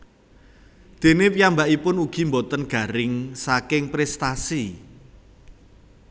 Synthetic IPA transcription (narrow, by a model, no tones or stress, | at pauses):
d̪̥e̤nepijambaʔipʊnuɡ̥i̤mbɔt̪ənɡ̥ä̤ɾɪŋsakɪŋpɾɛst̪asi